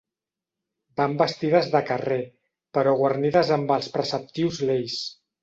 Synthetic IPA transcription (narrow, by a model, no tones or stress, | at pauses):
bambəst̪iðəzðəkəre | pəɾɔɣwərniðəzəmbəlˠspɾəsəp̚t̪iwzlejs